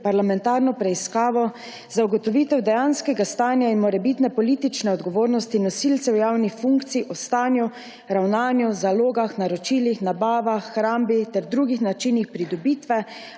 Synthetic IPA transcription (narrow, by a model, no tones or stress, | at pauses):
paɾlamɛnt̪aːɾnɔpɾɛiskaːʋɔ | zauɡɔt̪ɔʋiːt̪ɛwd̪ɛjanskɛɡast̪aːnjainmɔɾɛbit̪nɛpɔliːt̪it͡ʃnɛɔd̪ɡɔʋoːɾnɔst̪inɔsilt̪sɛwjawnixfuŋkt̪siːʔɔst̪aːnju | ɾawnaːnjuzaloːɡaxnaɾɔt͡ʃiːlixnabaːʋaxːɾaːmbit̪ɛɾd̪ɾuːɡixnat͡ʃinixpɾid̪ɔbit̪ʋɛ